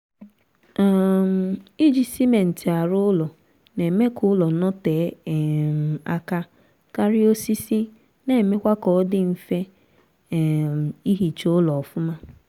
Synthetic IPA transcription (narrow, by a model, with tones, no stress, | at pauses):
i˦d͡ʒi˨si˦me˨n̩˨ti˨a˨ɾʊ˦ʊ˦lɔ˨ | ne˨me˦kʰʊ˦lɔ˨nɔ˦te˨˦˨ | a̰˦ka˦ | ka˦ɾɪ˦o˦si˦si˦ | ne˨me˦kʷa˦kɔ˨˦ɔ˦dɪ˦m̩˨fe˦˨ | i˦ɦi˨t͡ʃo˦lɔ˨fʊ˦ma˦